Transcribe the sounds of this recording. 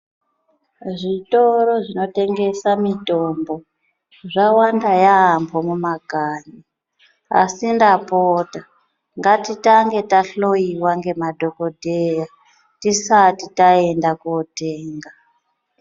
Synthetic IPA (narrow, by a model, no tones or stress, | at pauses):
ʐito̞ɾo̞ʐino̞te̞ŋɡe̞samitombo̞ | ʐawandajaːmbo̞mumaɡʱaːɲi | a̰sindapoːta | ŋɡatitaŋɡe̞taɬoiwaŋɡe̞madʱo̞kodʱeja | tisatitae̞ndakoteːŋɡa